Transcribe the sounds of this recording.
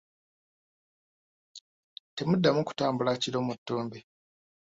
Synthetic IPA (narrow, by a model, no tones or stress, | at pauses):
te̞mudːamuku̥taːmbulaciɾo̞mutːoːmbi